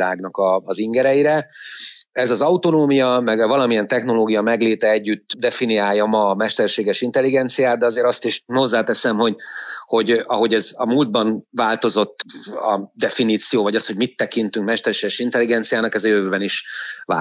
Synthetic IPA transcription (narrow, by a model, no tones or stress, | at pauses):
aːɡnɒkɒːziŋɡɛɾɛjiɾɛ | ɛzɒzɒut̪o̞noːmijɒmɛɡvɒlɒmijɛnt̪ɛxno̞loːɡijɒmɛɡleːt̪ɛɛɟːyt̪d̪ɛfinijaːjːɒmɒmɛʃt̪ɛrʃeːɡɛʃint̪ɛlːiɡɛnt̪sijaːt̪̚d̪ɛɒzeːɾɒst̪iʃho̞zːaːt̪ɛsɛmho̞ɟho̞ɟɒɦo̞ɟɛzɒmuːld̪̚bɒnvaːlt̪o̞zo̞t̪ːɒ̰d̪ɛfiniːt̪sijoːvɒɟɒsho̞ɟmit̪ːɛkint̪yŋkmɛʃt̪ɛrʃeːɡɛʃint̪ɛlːiɡɛnt̪sijaːnɒkɛzɒjøvøːbɛniʃva̰